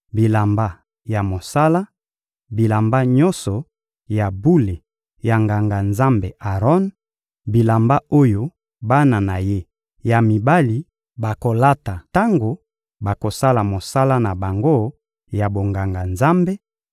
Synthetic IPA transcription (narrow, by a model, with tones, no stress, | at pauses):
bi˨la˨mba˦ | ja˨mo˨sa˦la˦ | bi˨la˨mba˦ɲɔ˦nsɔ˨ | ja˨bu˦le˨ | ja˨ŋɡa˨ŋɡa˨nza˦mbe˨ʔa˨ʁɔ˦n | bi˨la˨mba˦o˦jo˦ | ba˦na˨na˨je˦ | ja˨mi˨ba˦li˨ | ba˨ko˨la˦ta˨ta˦ŋɡo˨ | ba˨ko˨sa˦la˨mo˨sa˦la˦na˨ba˨ŋɡo˦ | ja˨bo˨ŋɡa˨ŋɡa˨nza˦mbe˦